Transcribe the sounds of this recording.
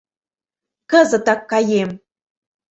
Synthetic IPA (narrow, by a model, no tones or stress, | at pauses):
kəzə̆t̪ɑkːɑjem